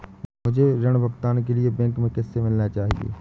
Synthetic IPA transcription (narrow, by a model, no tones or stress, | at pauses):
mʊd͡ʒʱeɾɐɽ̃bʱɐɡt̪aːnk̬eliebɛ̃ŋkmẽkɛːsemɪlnat͡ʃaːɦḭḛː